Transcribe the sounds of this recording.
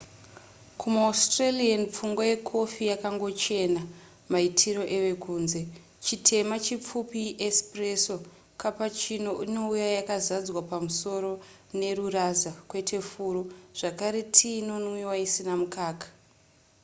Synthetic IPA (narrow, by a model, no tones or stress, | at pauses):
kʰumastralianp͡fuŋɡwaje̞kʰo̞fijakaŋɡo̞t͡ʃe̞na | maitʰiɾo̞ʔe̞ʋe̞kuːnze̞ | t͡ʃitʰe̞mat͡ʃip͡fupiʔespreso̞ | kapat͡ʃino̞ʔino̞ujajakazad͡zwapamuso̞ɾo̞ | ne̞rurazakwe̞tʰe̞fuːɾoʐ̥akaɾe̞tʰino̞nwiwaisinamukaːkḁ